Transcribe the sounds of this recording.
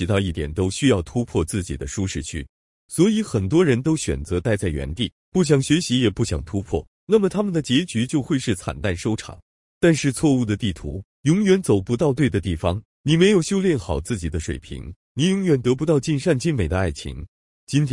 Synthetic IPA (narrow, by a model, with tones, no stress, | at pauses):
i˧˩t̪ɑ˥˧ʊi˥˩t̪jɛ̰˨˩nt̪o˥ʊɕy˥jɑ˥˩ʊt̪ʰu˥pʰwɔ˥˧t͡sɹ̩˥˩t͡ɕḭ˨˩d̪ə˦ʂu˥ʂɻ̩˥˧t͡ɕʰy̰˥˩ | swɔ˧˥i˧˥xə˨˩nt̪̬wɔ˥ɻə˧˥nt̪o˥ʊɕɥɛ̰˨˩nt͡sɤ˧˥t̪a˥˧ɪt͡sa˥˩ɪɥɛ̰˧˥nt̪i˥˩ | pu˥˩ɕ̬jɑ˨˩ŋɕɥɛ˧˥ɕi˧˥jɛ˨˩pu˥˩ɕjɑ˨˩ŋt̪ʰu˥pʰwɔ̰˥˩ | na˥˩mə˩t̪ʰa˥mə˨nd̪ə˩t͡ɕjɛ˧˥t͡ɕy˧˥t͡ɕjo˥˧ʊxwe˥˧ɪʂɻ̩˥˩t͡sʰa̰˨˩nt̪a˥˩nʂo˥ʊʈ͡ʂʰɑ̰˨˩˦ŋ | t̪a˥˧nʂɻ̩˥˧t͡sʰwɔ˥˧u˥˩d̪ə˩t̪i˥˩t̪ʰṵ˧˥ | jʊ˧˥ŋjɥɛ˨˧˥nt͡so˨˩ʊpu˧˥t̪ɑ˥˧ʊt̪we˥˩ɪd̪ə˩t̪i˥˩fɑ˩ŋ | ni˨˩me˧˥ɪjo˨˩ʊɕjo˥ʊljɛ˥˧nxɑ˨˩ʊt͡sɹ̩˥˩t͡ɕi˨˩d̪ə˦ʂwḛ˨˩ɪpʰḭ˧˥ŋ | ni˨˩jʊ˧˥ŋɥɛ˨˩nt̪ɤ˧˥p̬u˧t̪ɑ˥˧ʊt͡ɕi˥˧nʂa˥˧nt͡ɕi˥nme˨˩ɪd̪ə˦a˥˩ɪt͡ɕʰḭ˧˥ŋ | t͡ɕi˥nt̪